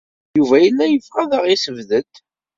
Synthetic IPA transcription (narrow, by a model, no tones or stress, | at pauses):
juvæjənːæjəfʁæðəʁisəvðət̪